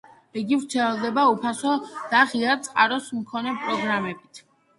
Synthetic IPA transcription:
iɡivɾt̪sʰɛlˠd̪ɛbaupʰasɔd̪̥aʁiat̪sʼqʼaɾɔsmkʰɔnɛpʼɾɔɡɾamɛbit̪ʰ

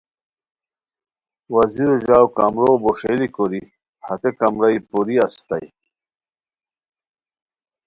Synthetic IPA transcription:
wɐziɾoʑaːwkamɾoboʂelikoɾi | hɐt̪ekɐmɾɐjpuɾiɐst̪ɐj

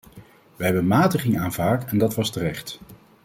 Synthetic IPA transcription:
ʋəɦɛbənmaːtəχɪŋaːnvaːkɛndɑtʋɑstərɛχt

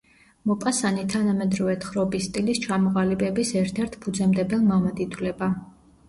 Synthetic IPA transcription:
mɔpʼasanit̪ʰanamɛd̪ɾɔvɛt̪ʰχɾɔbist̪ʼilist͡ʃʰamɔʁalibɛbisɛɾt̪ʰɛɾt̪ʰpʰud̪zɛmd̪ɛbɛlˠmamad̪it̪ʰvlɛba

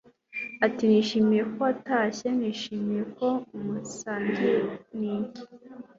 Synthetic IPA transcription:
atiniːʃiːmijekoataɕe̞niːʃiːmijeko̞umusaːɲɡeniːɲɟi̥

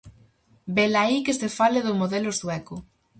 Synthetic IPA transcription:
belaikesefaleðomoðɛlosðwɛko

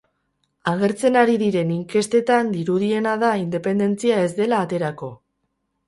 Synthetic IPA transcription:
aɣe̞ɾt͡se̞naɾiðiɾe̞niŋke̞st̪e̞t̪and̪iɾuð̞ie̞naðaind̪e̞pe̞nd̪e̞nt͡siae̞zd̪e̞laːt̪e̞ɾako̞

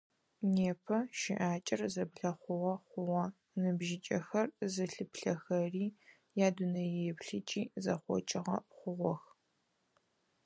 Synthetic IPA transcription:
neːpʰɐʃɪʔaːt͡ʃʼɪrzɐbɮɐχʷʊʁɐχʷʊʁɐ | nɨbʒɪt͡ʃʼɐxɐrzɨɬɨpɬɐxɐriː | jaːdunɐjɛɛpɬɨt͡ʃʼiːzɐχʷɔ̰t͡ʃʼɪʁɐ̰χʷʊʁʷɔx

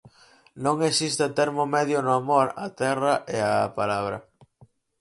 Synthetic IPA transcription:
nõŋesist̪ɪat̪ɛɾmomɛðjʊnʊamoɾat̪ɛrɐʔeapalaβɾɐ̰

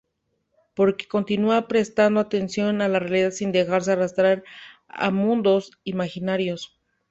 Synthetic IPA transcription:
po̞ɾke̥ko̞nt̪inuapɾe̞st̪and̪oat̪e̞nsjo̞nalarealiðaðsind̪e̞xaɾs̬e̞arast̪ɾaɾa̰mũnd̪o̞simaxinaɾjo̞s

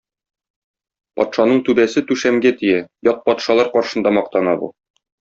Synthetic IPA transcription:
pɒ̰t̪ʃɑnɤɴt̪ʉbæsɘt̪ʉʃæmɡæt̪ijæjɒq̚pɒt̪ʃɑlˠɑɾqɒɾʃɤ̆nd̪ɑmɒq̚t̪ɑnɑbṵ

